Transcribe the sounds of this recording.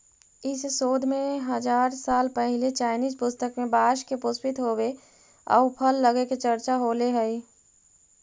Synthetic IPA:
ɪssoːd̪ʱmẽɦəd͡ʒaːɾsaːlpɛɦɪlet͡ʃaːɪniːzpʊst̪əkmẽbaːʃkepʊspɪt̪ɦoːwe | ɔ̰ʊpʰəlːəɡeket͡ʃɐɾt͡ʃaɦoleɦɛi

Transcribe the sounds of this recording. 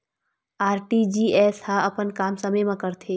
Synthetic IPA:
aːɾʈid͡ʒiːɛːshãɐpənkaːmsəməjmãkəɾt̪ʰe

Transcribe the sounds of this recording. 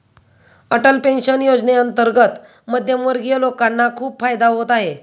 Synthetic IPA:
əʈəlpenɕənjod͡zneənt̪əɾɡət̪ | məd̪ʱjəmʋəɾɡijəlokanːakʰuːpfajd̪aɦot̪aɦe

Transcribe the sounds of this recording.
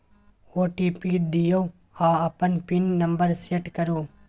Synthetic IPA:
oːʈiːpid̪ijo | aːɐpːɐnpinːɐmbɐɾseːʈkɐɾuː

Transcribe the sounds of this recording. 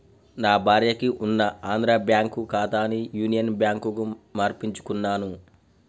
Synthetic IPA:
naːbʱaːɾjɐkiʔunːɐaːnd̪ɾaːbjaːŋkukaːt̪aːnijuːnijɐnbjaːŋkukumaːɾpiɲt͡ʃu̥kunːaːnu

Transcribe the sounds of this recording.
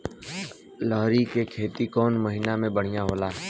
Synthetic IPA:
lɔɦɾikekʰeːt̪ikɔːnməɦiːnamẽbəɽ̤ijaɦoːlaːɦɛ

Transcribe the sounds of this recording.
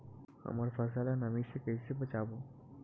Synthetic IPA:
a̰maɾfəsalanamiʃekejsibot͡ɕabo

